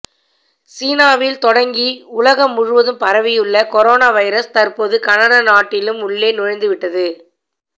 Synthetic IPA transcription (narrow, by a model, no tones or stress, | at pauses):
siːnaːʋɪlt̪ɔɽɐŋɡiʊlɐɣɐmːʊɻɯʋɐðɯmpɐɾɐʋɪjɯɭːɐkɔɾoːnaːʋɐɪɾɐst̪ɐrpoːðɯkɐnɐnɐnaːʈːɪlɯmʊɭːeːnʊɻɐɪnd̪ɯʋɪʈːɐðɯ